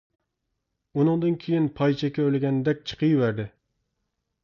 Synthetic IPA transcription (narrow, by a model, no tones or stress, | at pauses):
ʊnɨŋd̪ɨnkʲʰejɪnpʰɑjt͡ʃʰɛkʲːɛølɪɡʲɛnɪd̪ɛk̚ʲt͡ʃʰɨ̥qʰɨjwæɾd̪ɪ